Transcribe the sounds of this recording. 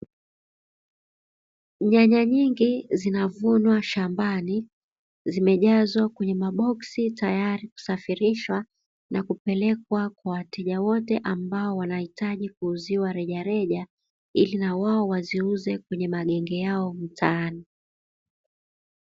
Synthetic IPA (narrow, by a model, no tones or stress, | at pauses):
ɲaɲaɲiŋɡizinavunwaʃambani | zimɛʄazwakwɛɲɛmaɓɔksitajaɾiku̥safiɾiʃwa | nʔakupɛlɛk̚wakwawatɛʄawɔtɛʔambaɔwanahitaʄikuːziwaɾɛʄaɾɛʄa | ilinawaɔwaziuzɛkwɛɲɛmaɠɛŋɡɛjaɔm̩tʰaːni